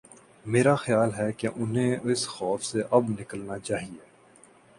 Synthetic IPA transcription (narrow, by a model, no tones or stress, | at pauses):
meːɾaxəjaːlɦɛkeʔʊnɦẽɪsxɔːfseʔɐbnɪkəlnat͡ʃaːɦieː